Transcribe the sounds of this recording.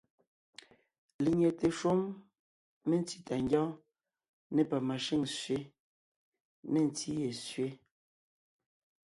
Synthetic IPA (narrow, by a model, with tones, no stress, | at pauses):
li˨ɲe˨te˨ʃo˦m | me˦˨n˦ti˦ta˨ŋɡɔ˦ | ne˦pa˨ma˨ʃi˦˨ŋsɥe˦ | ne˦˨n̩˨ti˦je˨sɥe˦